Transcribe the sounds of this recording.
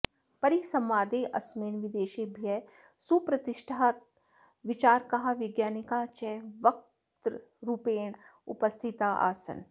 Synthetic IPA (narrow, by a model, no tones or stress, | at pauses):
pɐɾisɐ̃mʋaːd̪eʔɐ̰smeːnʋɪd̪eːʃebʱijɛ | supɾɐt̪ɪʃʈʰaat̪̚ | ʋɪt͡ʃaːɾkɐɦaʋɪɡjaːnikat͡ʃɛʋɐk̚ | t̪ɾ | ɾupeːɳʊ̰pəst̪ʰɪt̪aʔa̰ːsə̰n